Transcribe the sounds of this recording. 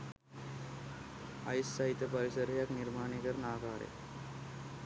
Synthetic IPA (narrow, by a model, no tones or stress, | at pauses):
a̰jsːaɦit̪jəpəɾisəɾjakniɾmaːɳikəɾnaːɡaːɾḛ